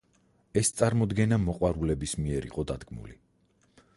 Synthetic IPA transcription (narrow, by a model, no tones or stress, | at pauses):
ɛst̪sʼaɾmɔd̪ɡɛnamɔqʼwaɾulɛbismiɛɾḭqʼɔd̪ad̪ɡmṵli